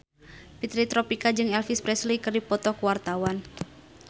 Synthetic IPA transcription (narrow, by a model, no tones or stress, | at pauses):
pit̪ɾit̪ɾɔpikad͡ʒɨŋɛlfispɾɛslikɨrdipɔt̪ɔkuwart̪awan